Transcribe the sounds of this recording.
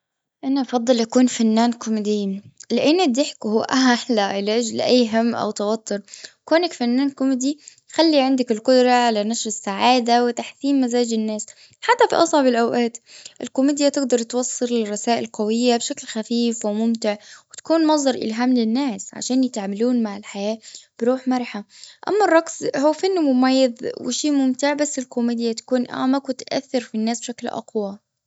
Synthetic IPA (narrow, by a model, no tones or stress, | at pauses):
ʔanaʔɑfɑd̪ˤːɨlʔakuːnfanːaːnkʊmɪd̪ɪːlɪʔɪnːɪd̪ːɪħkhʊːʔaħlaʔɪlaʔad͡ʒlʔajːɦamːʔa̰wt̪ɑwat̪ʰːʊɾkoːnɪkfanːaːnkʊmd̪i | xalːiʕɪnd̪akɪlqʊd̪ɾˤɑʕalanaʃɾɪsːaʕaːd̪awɪt̪aħθiːmːazaːd͡ʒɪnːaːs | ħat̪ːafḭʔɑsˤʕɑbɪlʔawʔaːt̪ʔɪlkʊmiːd̪jat̪ɪɡd̪ɑɾˤt̪wɑsˤːɨllɪrˤːɑsaːʔɪlqawɪjːabʃaklxafiːfwɪmʊmt̪ɪʕwɪt̪ḁkuːnmɑs̬ˤd̪ɑɾˤʔɪ̰lɦaːmlɪnːaːsʕa̰ʃaːnjɪt̪ʕamaluːnmaʕɪlħajaːb̥ɪɾuːħmɑɾˤħaʔa̰mːɑrˤːɑɡshuːfanːmʊmajːɪðwɪ̰ʃiːmʊmt̪ɪʕbasːɪlkʊmiːd̪jat̪ḁkuːnʔa̰ːmakwɪt̪ʔa̰θːɪɾfinːaːsb̥ʃaklʔɑ̰qwɑ